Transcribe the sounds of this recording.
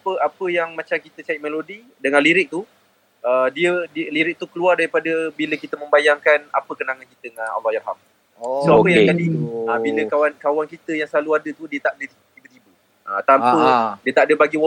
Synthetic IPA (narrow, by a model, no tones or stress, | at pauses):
apəapəjaŋmat͡ʃamkit̪ət͡ʃaʔ̚melodi | dəŋãnliɾɪk̚t̪u | ədiədiliɾɪk̚t̪ukəluardaɾipadəbiləkit̪əmə̃mbajaŋkana̰pəkənaŋankit̪əŋanɔ̰lːɔhjarɦa̰m | soapəjaŋt̪adiəbinəkawankawankit̪əjaŋsəlaluadət̪udiət̪aʔdət̪it̪ibət̪ibə | ʔət̪ampədiət̪aʔadəbaɡiw